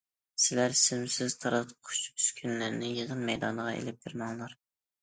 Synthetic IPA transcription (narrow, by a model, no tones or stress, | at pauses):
sɪlæɾsymsɪzt̪ʰɑɾɑt̪qʰʊ̥t͡ʃyskʲʰynlæɾnɪjəʁənmɛjd̪ɑnəʁɑḛlɪp̚beɾmɑŋlˠɑɾ